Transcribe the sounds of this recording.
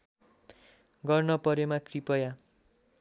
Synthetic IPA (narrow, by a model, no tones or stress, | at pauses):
ɡʌrnʌpʌɾemakripʌja